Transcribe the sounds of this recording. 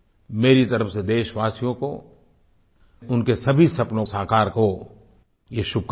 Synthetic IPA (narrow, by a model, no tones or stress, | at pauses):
meːɾit̪ɐɾəfsed̪eːʃʋaːsijõko | ʊnkesɐbʱisɐpnõsaːkaːɾko | jeʃʊb̚k